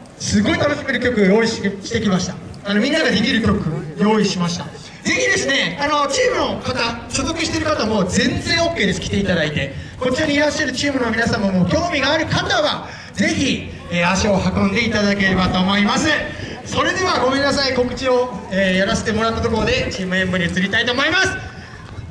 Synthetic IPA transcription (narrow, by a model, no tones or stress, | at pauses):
sɨɡo̞it̪ano̞ɕime̞ɾɯ̟kʲo̞kɯ̟jo̞ːiɕɕi̥t̪e̞kʲimaɕi̥t̪a | ano̞mʲĩnːaɡad̪e̞kʲiɾɯ̟kʲo̞kɯ̟jo̞ːiɕimaɕi̥t̪a | d͡ze̞çid̪e̞sɨne̞ano̞t͡ɕiːmɯ̟no̞kat̪aɕozo̞kɯ̟ɕi̥t̪e̞ɾɯ̟kat̪amo̞zẽ̞nd͡zẽ̞ɰ̃o̞kːe̞ːd̪eskʲi̥t̪e̞it̪ad̪ait̪e̞ | ko̞t͡ɕioɲ̟iːɾaɕːaɾɯ̟t͡ɕiːmɯ̟no̞mʲinasãmːomo̞ːkʲo̞ːmʲiɡaːɾɯ̟kat̪aβa | ze̞çi | eːaɕio̞hakõ̞nd̪e̞it̪ad̪ake̞ɾe̞bat̪o̞ːmo̞imasɨ | so̞ɾe̞d̪e̞βaɡo̞mẽ̞nːasaiko̞kɯ̟̥t͡ɕio̞eːjaɾase̞̥t̪emo̞ɾat̪ːat̪o̞ko̞ɾo̞d̪e̞t͡ɕiːmɯ̟ẽ̞mbɯ̟ɲ̟iɯt͡sɨɾʲit̪ait̪o̞ːmo̞imasɨ̥